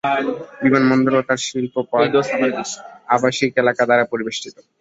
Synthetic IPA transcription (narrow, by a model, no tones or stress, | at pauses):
bimanmɔnd̪oɾot̪aɾʃilpopaad̪ | abaʃikelakad̪aɾapoɾibeʃʈit̪o